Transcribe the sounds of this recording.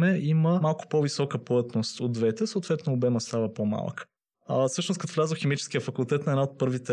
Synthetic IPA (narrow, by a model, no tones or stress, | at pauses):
mɛiməmalˠkʊ̥povisɔkəplət̪nost̪od̪vɛt̪ɛsoot̪vɛt̪noːbɛməst̪avəpoma̰l̰ˠk | fsɤʃnoskɐt̪ovlʲazəxɛmit͡ʃɛ̥skijəfɐkulˠt̪ɛt̪nɐɛd̪aot̪̚pɤɾvit̪ɛ